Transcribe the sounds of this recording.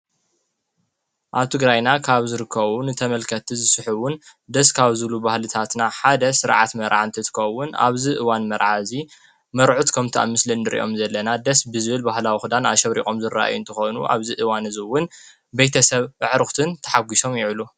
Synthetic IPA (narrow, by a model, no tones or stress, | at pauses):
ʔaβt̪ʰɨɡɾajnakʰaβzɨɾɨkːɐβunɨt̪ʰɐmɐlkʰɐt̪ʰizɨsɨħuwʊnd̪ɐskʰaβzɨlubahlɨt̪ʰat̪naħad̪ɐsɨɾʕa̰t̪mɐɾʕant̪ʰɨt̪ʰɨ̥kʰɐwʊna̰βziʔɨwanmɐɾʕazi | mɐɾʕut̪kʰɐmt̪ʰiʔa̰mːɨslinːɨɾʔḭʔo̞mzɐlːɐnad̪ɐsbɨzɨβɨlbahlawixud̪ana̰ʃɐβɾḭkʼo̞mzɨɾːa̰ʔa̰junt̪ʰɐxonuʔa̰βzɨʔɨwanɨzɨwʊn | bejt̪ʰɐsɐβɨʕɾɨxt̪ʰɨnt̪ʰɐ̥ħaɡʷiso̞mjɪʕlu